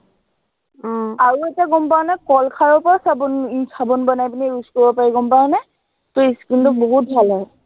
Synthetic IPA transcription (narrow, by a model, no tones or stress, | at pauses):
aɹuetiaɡɔmpaɹɔnakɔlkʰaɹɔpɔasabunsabɔnbɔnajpiniɹuskɔbɔpaɹiɡɔmpaɹɔna | toiskintɔk̚bɔɦut̚bʱalɦɔj